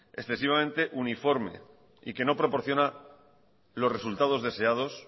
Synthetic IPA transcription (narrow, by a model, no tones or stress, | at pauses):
e̞̰sθe̞s̬iβ̞amẽ̞nt̪e̞ʔunifo̞ɾme̞̰ | ḭke̞no̞pɾo̞po̞ɾθjo̞na | lo̞sre̞sult̪að̞o̞zðe̞se̞að̞o̞s